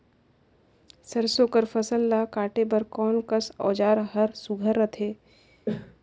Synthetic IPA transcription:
səɾsoːkəɾfʰɐsəlːakaːʈebəɾkɔːnkəsɔ̰ːd͡ʒaːɾɦɐɾsʊɡʱəɾːət̪ʰeː

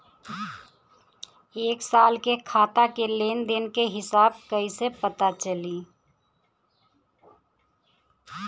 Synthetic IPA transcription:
eːksaːlkekʰaːt̪akeleːnd̪ɪnkeɦɪsaːb̚kəisepət̪at͡ʃəli

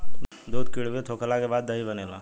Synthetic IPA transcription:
d̪od̪̚kiɽbet̪ʰokəlakebaːd̪ːəibənela̰

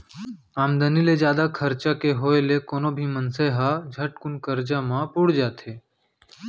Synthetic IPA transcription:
aːmd̪əniled͡ʒjaːd̪akʰəɾt͡ʃakeɦoːelekoːnoːbʱiːmənseːɦad͡ʒʱəʈkʊnkəɾd͡ʒamãpʊɽd͡ʒaːt̪ʰeː

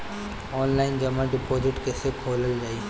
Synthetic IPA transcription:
ɔːnlaːɪnd͡ʒɐmãɖɪpoːzɪʈkeːsekʰoːləld͡ʒaːi

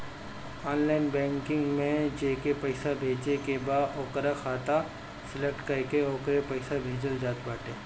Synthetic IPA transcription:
aːnlaːɪnbɛ̃ːŋkɪ̃ŋɡmẽd͡ʒeːkepɐɪsabʱeːd͡ʒnekebaːd̪ɔːkɾaxʰaːt̪a | sɪlək̚ʈkɐɾkeoːkɾepɐɪsabʱeːd͡ʒəld͡ʒaːt̪baːʈeː

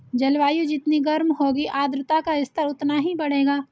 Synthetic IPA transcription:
d͡ʒɐlʋaːjud͡ʒɪt̪niɡɐɾmɦoːɡiʔaːd̪ɾɪt̪akaɪst̪əɾʊt̪naɦibɐɽ̤eːɡaː

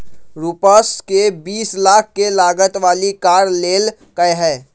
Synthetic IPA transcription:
ɾuːpəskebiːslaːk̚ʰkelaːɡət̪ʋaːlikaːɾleːl | kəeɦɛː

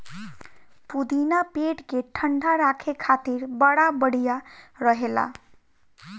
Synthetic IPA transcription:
pud̪inapeʈkeʈʰəɳɖʱaɾakʰekʰat̪iɾbəɽabəɽ̤ijaɾʌɦela̰

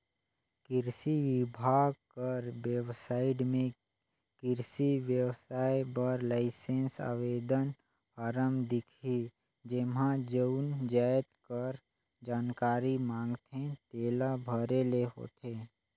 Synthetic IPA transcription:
kɪɾsiʋɪbʱaːɡ̚kəɾʋjəwsaːɪɽmẽ | kɪɾsiwjəwsaːjbəɾlaɪsẽːnsa̰ːʋeːd̪ən | aɾəmd̪ɪkʰi | d͡ʒemãd͡ʒəʊnd͡ʒaːjt̪kəɾ | d͡ʒaːnkaːɾimãːŋɡt̪ẽt̪eːlabʱəɾeleɦo̰ːt̪eː

